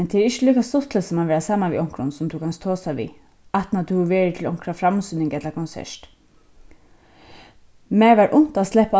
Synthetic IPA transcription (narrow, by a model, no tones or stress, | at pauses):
nt̪ʰeɛɹɪɕəliːkast̪ɔt̪ʰləsɔmaʋeːɾasaːmaʋḭʔɔŋ̥kɾʊ̰nsʊmt̪ʰukʰanst̪ʰːoːsaʋḭː | aht̪nat̪ʰuhʊʋeːɹɪt̪ʰɪlɔŋ̥kɾafɾamsynɪŋkɛt̪laɾkʰɔnsɛ̰ʂt̪ | mɛːʋaɹʔʊn̥t̪ast̪lɛhpa